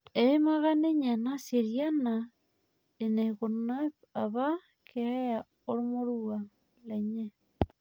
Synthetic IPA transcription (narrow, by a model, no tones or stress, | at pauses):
eimaɣaneɲanaseɾjana | eneɣonapaβa | keeja | oɾomoɾua | leɲe